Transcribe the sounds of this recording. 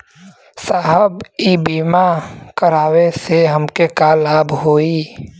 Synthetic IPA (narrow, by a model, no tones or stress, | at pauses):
saːɦəbibiːmakəɾaːweseɦəmkekalaːbʱɦoːiː